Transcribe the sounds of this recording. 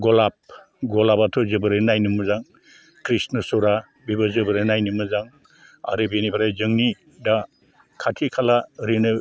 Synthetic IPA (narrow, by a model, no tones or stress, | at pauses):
ɡɔlap̚ | ɡɔlapatʰɔzɯbɯɾɯnajnɯmɯzaŋ | kɾisnɯsɔɾa | bibazɯbɯɾɯnajnɯmɯzaŋ | a̰ɾɯbinibʰaɾajzɯŋni | da | kʰatʰikʰalaɾenɯ